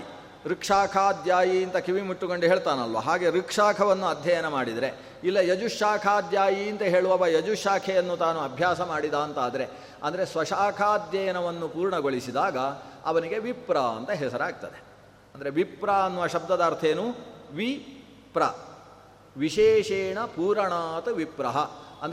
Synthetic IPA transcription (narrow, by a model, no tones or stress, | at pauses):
ɾikʂaːkʰaːd̪jaːjiːnt̪ɐkiʋimuʈːukoɳɖuɦeːɭt̪aːnɐlʋɐ̰ɦaːɡe̞ɾikʂaːkʰɐʋɐnːuɐd̪ʱjɐjɐnɐmaːɽid̪ɐɾe̞ | ilːɐjɐd͡ʒuʃaːkʰaːd̪jaːjiːnt̪ɐɦe̞ːɭuʋɐʋɐjɐd͡ʒuʃaːkʰɛjɐnːut̪aːnuɐbʱjaːsɐmaːɽid̪aːnt̪aːd̪ɐɾe̞ | ɐ̰nd̪ɐɾe̞sʋɐʃaːkʰaːd̪jɐjɐnɐʋɐnːupuːɾɳɐɡo̞ɭisid̪aːɡɐ | ɐ̰ʋɐniɡe̞ʋipɾaɐ̰nt̪ɐɦɛsɐɾaːɡ̚t̪ɐd̪e | ɐnd̪ɐɾe̞ʋipɾaɐnːuʋɐʃɐb̚d̪ɐd̪aːɾt̪ʰeːnuʋi | pɾɐ | ʋiʃeːʂeːɳɐpuːɾɐɳaːt̪ɐʋipɾɐɦɐɐ̰nd̪ɾe